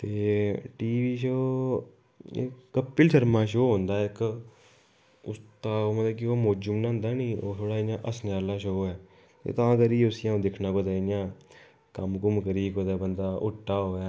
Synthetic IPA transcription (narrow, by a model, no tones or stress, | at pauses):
t̪eːʈiːʋiːʃoː | kːəpːɪlʃəɾmãːʃoːɦõːnd̪aːɪk | ʊ̰st̪aːoːmət̪ləbkioːmoːd͡ʒʊmnãːɦnd̪aːnĩːoːt̪ʰoːɽaːɪnjãːʔəsnaːlãːʃoːɛː | t̪ḛːt̪ãːkəɾiːʊsɪjãːd̪ɪkʰnaːkoːd̪aːɪnjãː | kəmkʊmkəɾiːkoːd̪aːbənd̪aːʔʊʈːaːɦoːjaː